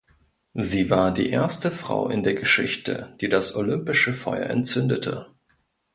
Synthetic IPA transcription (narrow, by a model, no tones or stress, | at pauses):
ziːvaːɐdḭːʔeːɐstəfʁ̥a̰ʊʔɪ̰ndeːɐɡəʃɪçtə̰d̥iːdasʔolʏmpɪʃəfɔ̰ʏɐ̰ʔɛ̰nt͡sʏndətʰə̰